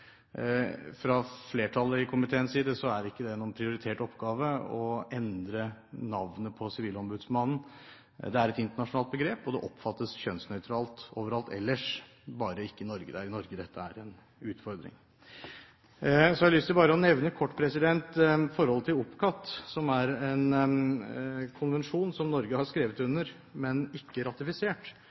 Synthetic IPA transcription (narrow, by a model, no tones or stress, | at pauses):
fɾɑfleːʈʰɑlːəɪkʰʊmɪt̪ʰeːənsiːd̪əsɔæɾɪkːəd̪ɛnuːənpʰɾɪʊɾɪt̪ʰeːʈɔpːɡɑːʋəɔɛnd̪ɾənɑʋnəpʰɔsɪʋiːləɔmbʉd̪smɑnn̩ | d̪ɛæɾɛt̪ɪnt̪əɳɑʂnɑːt̪bəɡɾeːpɔd̪ɛʔɔpːfɑt̪ːəsçœnsnœʏt̪ʰɾɑːlt̪oːʋəɾɑlt̪ɛ̰lːəʂ | bɑːɾəɪkːəɪnɔɾɡəd̪æ̰ɾɪnɔɾɡəd̪ɛt̪ʰːəæ̰ɾɛn | ʉːt̪fɔɾd̪ɾɪ̰ŋ | sɔɑlʏst̪əbɑːɾəɔnɛʋnəkʰɔʈːpʰɾɛsɪd̪ɛnt̪fɔɾhɔlːət̪ɪlʊpkʰɑt̪ːsɔmæɾɛn | kʰʊnʋɛnʂuːnsɔmnɔɾɡəhɑɾskɾeːʋət̪ʉnːəɾ | mɛnɪkːəɾɑt̪ɪfɪseːʈ